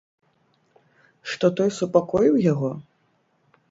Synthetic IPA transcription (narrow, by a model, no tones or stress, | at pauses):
ʂt̪ɔt̪ɔjsupakɔjiwjaɣɔ